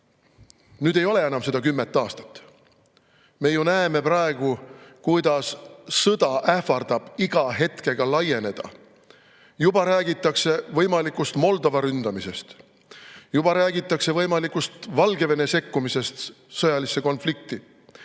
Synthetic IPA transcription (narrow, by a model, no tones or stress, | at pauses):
nyːd̪̥e̞jo̞le̞e̞nɑmse̞d̪ɑkymːet̪ːˑɑːst̪ɑ̥t̪ːˑ | me̞junæeme̞prɑe̞ɡ̥ukujd̪̥ɑsːɤd̪ɑʔæfɑrd̪̥ɑb̥iɡ̥ɑɦe̞t̪ke̞ɡ̥ɑlɑje̞ne̞d̪̥ɑ̰ | jubɑɾæːɡ̥it̪ːˑɑkse̞vɤjmɑlikːˑust̪mo̞ld̪o̞vɑɾynd̪̥ɑmise̞st̪ | jubɑɾæːɡ̥it̪ˑːɑkse̞vɤ̞jmɑlikːust̪vɑlɡe̞ve̞ne̞se̞kːumise̞st̪ | sɤjɑlisːe̞ko̞nflik̚t̪i